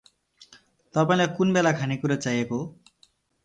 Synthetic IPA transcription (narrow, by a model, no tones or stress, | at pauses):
t̪ʌpaĩlakunbelakʰanikuɾʌt͡sajeko